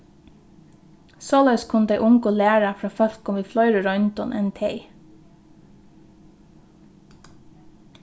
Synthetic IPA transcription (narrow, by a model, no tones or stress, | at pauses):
soːlœʏskʰʊnəd̪eɪʔʊŋkʊlæːɹafɾɑːfœlkʊmʋiːflɔʏɾəɾɔʏnt̪ɔnʔɛ̰nt̪ʰeɪ